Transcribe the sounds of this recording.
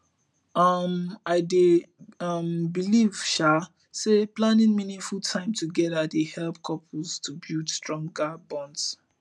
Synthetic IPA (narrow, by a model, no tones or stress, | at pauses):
ʌmaɪdeʌmbiliv̥ʃa | seplãnĩnminĩnfultʰãɪ̃mtʰuɡɛdadehɛlpkʰɔpʰlz̥tʰubudstɹɔ̃ŋɡabɔ̃nds